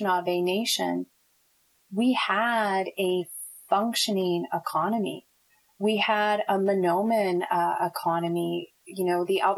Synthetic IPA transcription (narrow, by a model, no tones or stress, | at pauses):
nʌvɨneɪʃɨ̰̃n | wiəɾɨ | fʌ̃ŋkʃɨnɪ̃ŋɪkʰɑnɨmḭ | wiəɾəmɨnõʊ̃mɨ̃nʌɪkʰɑnɨmi | jɨnoʊðiʔælˠ